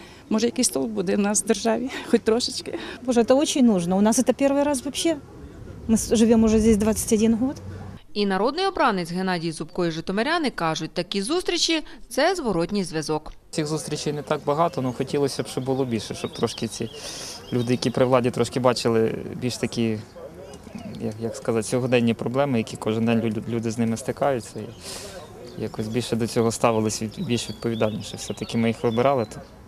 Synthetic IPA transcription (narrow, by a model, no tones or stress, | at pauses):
mɔʒɐjɐkɪsʲt̪ɔlˠbud̪ɛnɑsd̪erʒɑʋʲixɔt̚ʲt̪ɾɔʃɪt͡ʃkɪbɔʐɛt̪ɐɔt͡ʃɪnʲnuʐnɐʊnɑsɛt̪ɐpʲɛrʋɪjɾɑs̬ʋɐpɕːɛ | mɪʒɪʋʲomʊʐɛzʲdʲesʲd̪ʋat̪sːə̥tʲɐdʲinɦɔt̪inɐɾɔd̪nɪjɔbɾɑnɪt͡sʲɦe̞nɑdʲijzʊpkɔjiʐɪt̪ɔmeɾʲanɪkɑʐʊt̚ʲt̪ɐkʲizust̪ɾʲit͡ʃit̪sɛzʋɔɾɔtʲnʲijzʋʲɐzɔk | sʲixzust̪ɾʲit͡ʃejnɛt̪ɑɡ̚bɐɦɑt̪ɔnʊxɔtʲilˠɔsʲɐb̥ʃt͡ʃɔbʊlˠɔbʲilʲʃɛʃɔb̚t̪ɾɔʃkɪt͡sʲilʲud̪ɪjɐkʲipɾɪʋlˠɑdʲit̪ɾɔʃkɪbɑt͡ʃɪlˠɪ̰bʲilʲʃt̪ɐkʲi | jɐkjɐkskɐzɑtʲt͡sʲɔɦɔd̪ɛnʲːipɾɔblˠɛmɪjɐkʲikɔʒɪnd̪ɛnʲlʲud̪ɪznɪmɪst̪ɪkɑjʊt͡sʲːɐi | jɐkɔsʲbʲilʲʃɛd̪ɔt͡sʲɔɦɔst̪ɑʋɪlˠɪsʲbʲilʲʃʋʲid̪̚pɔʋʲid̪ɑlʲnʲiʃɛfsʲɛt̪ɐkʲɪmɪjixʋɪbɪɾɑlˠɪt̪ɑm